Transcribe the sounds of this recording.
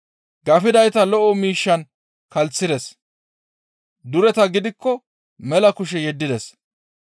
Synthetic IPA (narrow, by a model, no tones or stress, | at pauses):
ɡɐfɪd̪ɐjt̪ɐlɔʔɔmiːʃːɐn | kɐlt͡sːɪd̪ɛs | d̪ʊɾɛt̪ɐɡɪd̪ɪkːɔ | mɛlɐkʊʃ̬ɛjɛd̪ːɪd̪ɛs